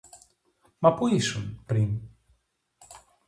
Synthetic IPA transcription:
mɐpuisunpɾin

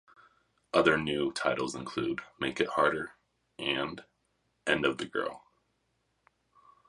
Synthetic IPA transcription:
ʔʌðə˞nʉtʰaɪɾl̩ˠzɨ̃nkʰl̥ʉdmeɪkɨt̚hɑɹɾə˞ | ʔɨ̃n | ʔɛ̃ndʌvðɨɡɜ̰˞lˠ

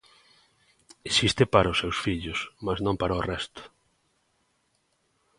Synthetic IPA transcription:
esist̪ɪpaɾɐʊsːewsfiʎʊsmasnõŋpaɾaorɛst̪ʊ̥

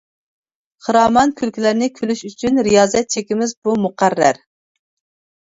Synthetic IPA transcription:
χəɾɑːmɑnkʲʰylkʲilæɾnɪkʲʰølyʃyt͡ʃʰynɾijɑːzɛt̪̚t͡ʃʰekʲimɪzbumuqæɾːæ̰ɾ

